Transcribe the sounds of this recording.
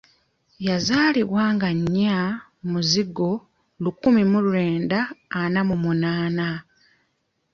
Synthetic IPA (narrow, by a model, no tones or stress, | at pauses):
jazaːliβwaːŋɡaɲːa | muziɡo̞ | lukːumimuluɾe̞ːndaːnamumunaːna